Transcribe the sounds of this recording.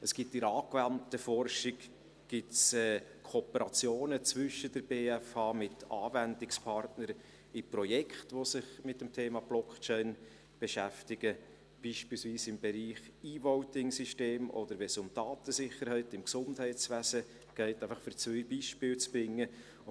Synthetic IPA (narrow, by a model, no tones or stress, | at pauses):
əsɡ̥itːɪɾɑːkvæntəfɔrʃɪk | ɡ̥ɪtsɛːkʰoɔpəɾɑt͡sjoːnət͡sʋʏʃədəɾb̥eːæfɑːmɪtʰɑ̰ːvændɪkspʰɑrtnəɾ | ɪprɔjɛkχtʋosɪχmɪt̚d̥əmtʰeːmɑb̥lɔkt͡ʃɛɪn | b̥ɛʃæftɪɡ̥ə | b̥iːʃpiːlsviːsɪmbɛɾiːχ | iːvɔʊtɪŋsiʃteːmʔɔ̰d̥̪əɾvɛsʊmd̥ɑːtəsɪχəɾhɛɪtɪmksʊndhɛɪtt͡sʋæzə | ɡ̥ɛɪtæɪfɑχfʏɾt͡sœjbiːʃpɪːlt͡sbɾɪŋːə